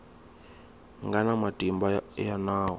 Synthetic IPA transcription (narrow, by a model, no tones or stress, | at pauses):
ŋɡanamatʼimbajanaːwɔ